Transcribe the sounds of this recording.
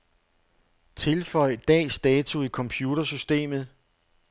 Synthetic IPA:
t͡sʰe̝lfɒ̽ɪ̰d̥ɛ̰ːsd̥ɛːt͡sʰuikʰɒ̽mpʰjuːɾ̥ɐsysd̥e̝̰ːmð̞̩ˠ

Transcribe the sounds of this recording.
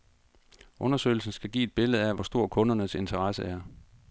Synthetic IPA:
ʔɔ̽nɐsø̰ɪl̩sn̩sɡ̥æɡ̥ḭːe̝d̥̚b̥e̝ləð̞̩ˠæʋɒ̽sd̥o̝ɐ̰kʰɔ̽nɐnəse̝nt͡sʰɐʁɑsəʔæɐ

